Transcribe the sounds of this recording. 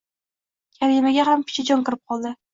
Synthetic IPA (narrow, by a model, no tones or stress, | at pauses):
kʲʰaɾimaɡʲaɦamkʲʰʊ̥t͡ʃʰɪd͡ʒɒŋkɨɾɪp̚qʰɒlˠd̪ɪ